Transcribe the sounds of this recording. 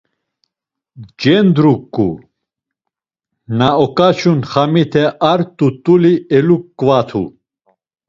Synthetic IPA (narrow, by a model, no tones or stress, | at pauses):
d͡ʒɛnd̪ɾukʼːṵ | naɔkʼat͡ʃʰunχamit̪ʰɛʔaɾt̪ʼut̪ʼuliɛlukːvat̪ʰṵ